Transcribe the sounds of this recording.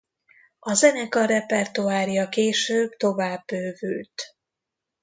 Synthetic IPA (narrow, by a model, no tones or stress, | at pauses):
ɒzɛnɛkɒɾɛpɛrt̪uaːrjɒkeːʃøːbt̪o̞vaːbːøːvylt̪